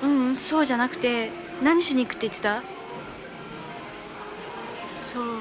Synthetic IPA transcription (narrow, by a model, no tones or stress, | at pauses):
ɯ̟̃ɴso̞ːʑanakɯ̟̥t̪e̞ | nãɲ̟ːiɕoɲ̟iːkɯ̥t̪ːeit̪ːet̪a | soː